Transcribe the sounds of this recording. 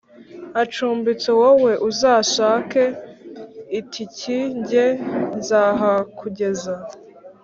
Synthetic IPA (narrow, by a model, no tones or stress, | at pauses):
at͡ʃuːmbit͡sowowe̞ʔuzaːʃaːke | itʰiciɲɟezaːɦakʰuɟe̞za